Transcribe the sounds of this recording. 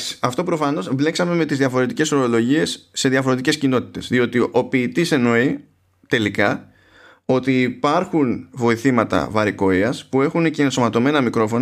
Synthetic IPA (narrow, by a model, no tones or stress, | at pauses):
ɐft̪o̞pɾo̞fɐno̞svle̞ksɐme̞me̞t̪izðiɐfo̞ɾe̞t̪ice̞so̞ɾo̞lo̞ʝie̞sːe̞ðjɐfoɾe̞t̪ice̞scino̞t̪i̥t̪e̞zðio̞t̪iʔo̞piːt̪ise̞no̞i | t̪e̞likɐ | o̞t̪iːpɐɾxunvo̞iθimɐt̪ɐ̰vɐɾiko̞iɐspue̞xuneceːnsomɐt̪o̞me̞nɐmikɾo̞fo̞n